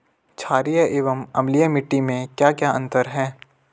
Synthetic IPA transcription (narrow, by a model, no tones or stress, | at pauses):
t͡ʃʰaːɾijəʔɪːʋəmɐmlijəmɪʈːimẽkjaːkjaːɐ̃nt̪əɾɦɛː